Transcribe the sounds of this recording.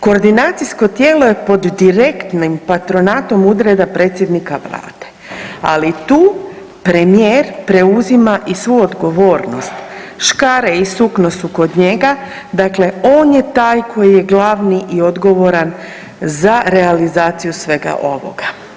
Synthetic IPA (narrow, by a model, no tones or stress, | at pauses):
ko̞ːɾd̪inaːt̪sisko̞t̪je̞ːlo̞je̞po̞d̪ːiɾe̞kt̪nimpat̪ɾo̞naːt̪o̞mud̪ɾed̪apɾe̞ːt̪sʲje̞d̪nikaʋla̰ːd̪̥e̞̥ | a̰lit̪uː | pɾe̞mijeːɾpɾe̞uzimaʔisʋujuod̪ɡo̞ʋo̞ːɾnost̪ʃkaɾeisuknosuko̞d̪ɲe̞ɡa | d̪akle̞o̞ːnjet̪aːjkʰo̞jije̞ɡlˠaʋniʔio̞d̪ɡo̞ʋo̞ɾan | zaɾe̞alizaːt̪sijusʋe̞ɡa̰ʔo̞ʋo̞̰ɡa